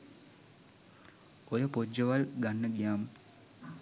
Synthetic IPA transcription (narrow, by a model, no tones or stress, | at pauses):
ojəpod͡ʒːəʋalɡanːəɡijaːmə